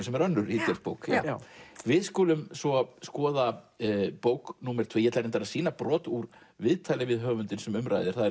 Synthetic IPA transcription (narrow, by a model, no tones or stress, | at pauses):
sɛmɛɾœnːʏɾit̪œɾpoːwk | vɪðskuːlʏmsɔskɔːða | poːwknuːmɛɾ̥t̪ʰveːjɛɛt̪laɾent̪aɾaðsiːnapɾɔːt̪uɾ | vɪðt̪ʰaːjlɪvɪðɦœːɣvʏnt̪ɪnsɛmʏmɾa̰jðɪɾ̥θaðɛ